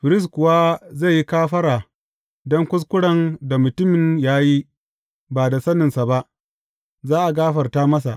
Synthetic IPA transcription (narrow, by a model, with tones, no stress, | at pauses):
ɸɪ˨ɾɪ˦s̬kʷʊ˨wa˦za˦˨ji˦kaː˦ɸɐ˦ɽaː˨ | dɔ˦ŋkʷʊ˦s̬kʷʊ˦ɽɐ˨nda˨mʊ˨tʊ˦mɪ˨njaː˦ji˦ | baː˨da˨sɐ˦nɪ˨nsa˨ba˦ʔ | zaː˦ʔa˨ɡaː˦ɸɐ˨rtaː˦mɐ˦s̬a̰˨ʔ